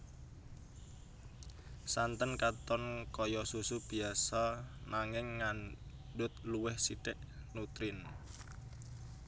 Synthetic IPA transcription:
sant̪ənkat̪ɔnkɔjɔsusub̥i̤asaɔnaŋɪŋːan | ɖʊt̪̚luwɪhsiɖɛʔ | nut̪ɾɪn

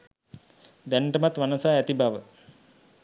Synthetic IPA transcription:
d̪æɳʈəmat̪ʋanəsaːæt̪ibaʋə

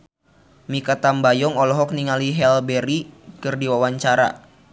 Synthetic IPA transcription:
mikat̪ambajɔŋɔlɔɦɔk̚niŋaliɦɛlbɛɾikɨrdiwawaɲt͡ʃaɾa̰

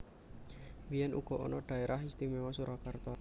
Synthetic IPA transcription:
wijɛnʔṵɡ̥ɔ̤ʔɔ̰nɔɖ̪̥a̤eɾaɦist̪imɛwasuɾʔɔkart̪ɔ

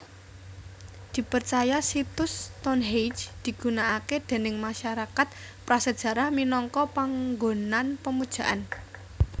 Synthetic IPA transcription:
d̪̥i̤pərt͡ʃajasit̪ʊst̪ɔnɦejd͡ʒd̪̥i̤ɡ̥unaʔaked̪̥e̤nɪŋmaʃaɾakat̪̚ | pɾasəd̥ʒ̥ä̤ɾahminɔŋkɔpaŋɡonanpəmud̥ʒ̥a̤ʔan

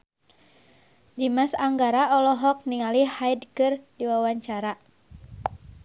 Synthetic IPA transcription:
dimasaŋɡaɾaɔlɔɦɔk̚niŋalihajdkɨrdiwawaɲt͡ʃaɾa

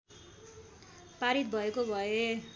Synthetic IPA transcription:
paɾit̪̚bʱʌekobʱʌe

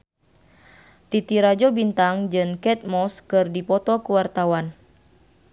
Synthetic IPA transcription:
t̪it̪iɾad͡ʒɔbint̪aŋd͡ʒɨŋkɛt̪̚mɔskɨrdipɔt̪ɔkuwart̪awan

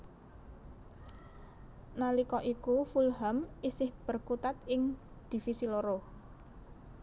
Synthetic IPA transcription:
nalikɔʔikufulɦamisɪhb̥ə̤rkut̪at̪ɪŋ | d̪̥i̤fisiloɾo

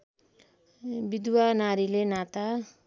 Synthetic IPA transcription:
bid̪wanaɾilenat̪a

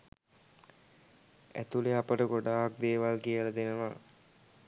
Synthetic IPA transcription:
æ̰t̪uleapəʈəɡoɖaːk̚d̪eːʋalkijələd̪enəʋa

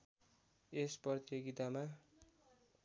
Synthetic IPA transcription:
esprʌt̪joɡit̪ama

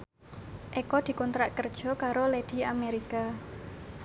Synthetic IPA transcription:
ʔekɔd̪̥i̤kɔnt̪ɾaʔkərd̥ʒ̥ɔ̤kaɾoled̪̥i̤ameɾika

